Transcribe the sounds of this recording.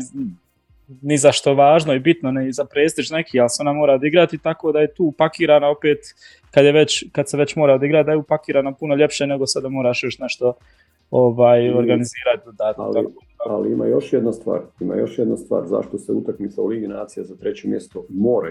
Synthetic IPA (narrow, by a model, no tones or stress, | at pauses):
nizaʃt̪o̞ʋaːʒnoibit̪noneizapɾeːst̪it͡ʃne̞kʰiːalseo̞namo̞ːɾaod̪iɡɾat̪it̪ako̞ːd̪aje̞t̪uːpakiːɾaːnao̞peːt̪ | kad̪jeʋe̞t͡ɕkad̪seʋe̞t͡ɕmo̞ːɾaod̪iɡɾat̪̚d̪ajuːpakiːɾaːnapunoʎe̞pʃene̞ɡo̞sad̪amo̞ːɾaːʃjoʃt̪neʃt̪o̞ | oʋaːjo̞ɾɡaniziːɾat̪̚d̪od̪aːt̪klako | aliima̰ːjoʃjed̪nast̪ʋa̰ːɾima̰ːjoʃjed̪nast̪ʋa̰ːɾza̰ʃt̪oseut̪akmit̪sauliɡinaːt̪sijazat̪ɾet͡ɕemjest̪omoːɾa̰